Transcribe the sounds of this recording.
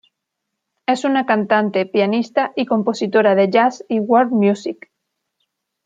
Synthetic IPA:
e̞sunakant̪ant̪e̞pjanist̪aʔiko̞mpo̞sit̪o̞ɾaðe̞ʝasiwoɾmjusik

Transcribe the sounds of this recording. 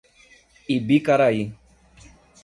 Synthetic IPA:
ibikaɾaji

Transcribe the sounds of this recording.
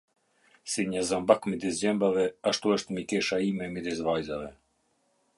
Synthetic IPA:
siɲəzambakmid̪is̬d͡ʑɛmbavɛaʃt̪uəʃt̪mikɛʃaimɛmid̪izvajzavɛ

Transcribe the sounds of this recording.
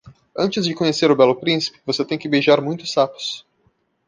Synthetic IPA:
ɐ̃nt͡ʃɪzd͡ʒɪkõɲeseɾʊbɛlʊpɾĩsi̥pɪ̥voset̪ẽj̃kɪbeʒaɾmũj̃t̪ʊ̥sapʊ̥s

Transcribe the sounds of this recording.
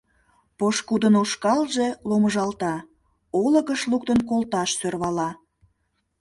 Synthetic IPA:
poʃkud̪ənoʃkɑlʒe̽loməʒɑlt̪ɑ | olə̆ɣəʃluk̚t̪ənkolˠt̪ɑʃsørβɑlɑ

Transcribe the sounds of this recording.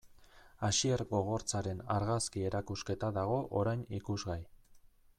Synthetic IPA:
aʃieɾɣo̞ɣ̞o̞ɾt͡saɾe̞naɾɣaskie̞ɾakuske̞t̪aðaɣ̞o̞ʔoɾajnikuzɣaj

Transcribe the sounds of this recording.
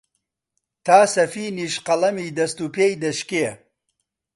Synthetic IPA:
t̪ʰaːsɐfiːniːʃqɐlˠɐmiːd̪ɐst̪uːpeːjd̪ɐʃke

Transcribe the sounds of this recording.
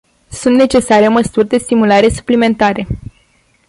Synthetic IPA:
sunt̪ne̞t͡ʃe̞saɾeoməsurʲd̪e̞st̪imulaɾe̞su̥plime̞nt̪aɾe

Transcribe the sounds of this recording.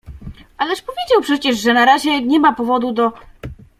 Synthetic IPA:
alɛʂpɔvʲjed͡ʑawpʂɛt͡ɕɛʐʐɛnaɾaʑɛɲɛmapɔvɔd̪ud̪ɔ

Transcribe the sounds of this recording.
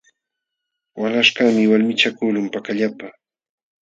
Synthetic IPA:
walaʃkamɪwalmɪt͡ʃakʊlʊmpakaʎapa

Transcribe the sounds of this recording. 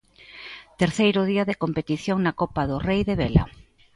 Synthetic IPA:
t̪eɾθejɾʊðiɐðekompet̪iθjoŋnakopaðʊrejðeβela̰

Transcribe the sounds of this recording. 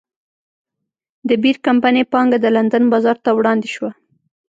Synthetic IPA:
d̪əbiɾkampanepɑŋɡad̪əland̪anbɑzɑɾt̪awɽɑnd̪eʃwa

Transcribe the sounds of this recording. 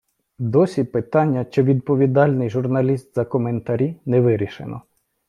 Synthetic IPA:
d̪ɔsʲipɪt̪ɑnʲːɐt͡ʃɪʋʲid̪̚pɔʋʲid̪ɑlʲnɪjʒʊrnɐlʲist̪zɐkɔment̪ɐɾʲinɛʋɪɾʲiʃḛnɔ̰

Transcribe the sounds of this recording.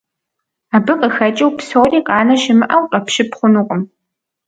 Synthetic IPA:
abɨqʼəxɐt͡ʃʼɪwpsowriːqʼɑːnɐʃɪmɨʔɐwqʼɐpʃɪpχʷʊnuːqʼəm

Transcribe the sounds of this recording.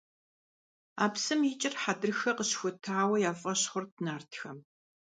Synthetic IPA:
a̰ːpsɨmjiːt͡ʃʼɪrħadɨrxɐqəɕxʷʊtʰaːwɐjaːfʼɐɕχʷʊrtnaːrtʰxɐm

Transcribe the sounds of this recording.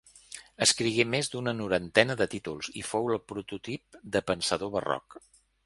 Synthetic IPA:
əskɾiɣemezðd̪unənuɾənt̪ɛnəðət̪it̪ulˠzḭfowəlˠpɾut̪ut̪ip̚d̪əpənsəðoβərɔ̰k

